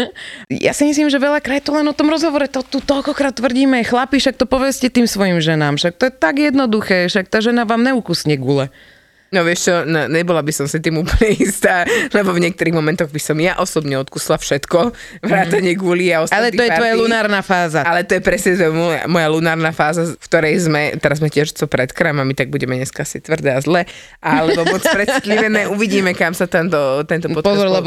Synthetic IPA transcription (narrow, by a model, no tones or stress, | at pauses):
jʔa̰simis̬limʒɛʋɛʎakɾat̪ɔlɛnɔt̪ɔmɾɔzɦɔʋɔɾɛt̪ɔt̪ut̪ɔʎkɔkɾaːt̪ːʋr̩ɟiːmɛɛxlapiʃak̚t̪ɔpɔʋɛscɛt̪iːmsʋɔjimʒɛnaːmʃak̚t̪ɔjɛt̪aɡjɛd̪nɔd̪uxɛːʃak̚t̪aːʒɛnaʋaːmnɛukusɲɛɡuːlɛ | nɔʋɪɛʃt͡ʃɔnɔɲɛbɔlabisɔmsit̪iːmuːpl̩ɲɛiːst̪aːlɛbɔvɲɪɛk̚t̪uɾiːɣmɔmɛnt̪ɔɣbisɔmjaʔɔsɔbɲɛɔt̪kuslafʃɛt̪kɔ | ʋɾaːt̪aɲɪɛɡuliaɔstalɛt̪iɔjɛtaɔjalunaːɾnaːfaːzaalɛt̪ɔjɛpɾɛsɲɛɛmɔja̰mɔjalunaːɾnafaːzakt̪ɔɾɛjzmɛt̪ɛɾazmɛcɪɛʒt͡sɔpɾɛt̪kɾamamit̪aɡ̚buɟɛmɛɲɛskaasit̪ʋr̩d̪ɛazlɛ | ʔalɛbɔmɔt͡spɾɛit̪liʋɛnɛʔuʋiɟiːmɛkamsat̪ɛnt̪ɔt̪ɛnt̪ɔpɔtpɔzɔɾlɛb